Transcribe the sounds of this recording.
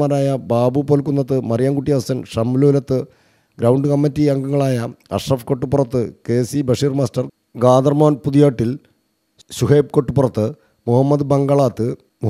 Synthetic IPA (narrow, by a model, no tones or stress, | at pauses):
maːɾaːjɐbaːbupoːlkːunːɐt̪ːɨmɐrjaːŋkuʈːijɐɐsɐnʂɐmloːlɐt̪ːɨ | ɡɾɐwɳɖɨkɐmːɐtːiɐŋɡɐŋːɐɭaːjɐɐ̰rʂrɐfko̞ʈːupːurɐt̪ːɨkeːsibɐʂiːrmaːstɐr | ɡaːd̪ɐrmaːnpuðijaːʈːil | suɦeːp̚ko̞ʈːɨpurɐt̪ːɨ | muhɐmːɐd̪ɨbɐŋɡɐɭaːt̪ːɨ | mu